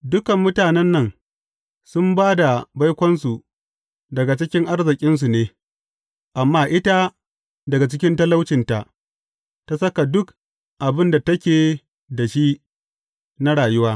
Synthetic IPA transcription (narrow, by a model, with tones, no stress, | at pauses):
dʊ˦kɐ˨mːʊ˦taː˨nɛ˦nːɐ˦ŋ | sʊ˦mbaː˦da˨ba˦jkʷɔ˦nsu˨ | dɐ˨ɡa˨t͡ʃɪ˦kʲɪ˦ŋʔa˦rzɪ˨kʲʼɪ˦ns̬u˨neː˦ | ʔa˨mːaː˦ʔɪ˦ta˦ | dɐ˨ɡa˨t͡ʃɪ˦kʲɪ˦ntɐ˦la˦wt͡ʃɪ˨nta˨ʔ | ta˦sɐ˦ka˨dʊ˦k | ʔa˨bɪ˦nda˨tɐ˦kʲeː˨ | da˨ʃi˦ | na˦ɽaː˨jʊ˦waː˦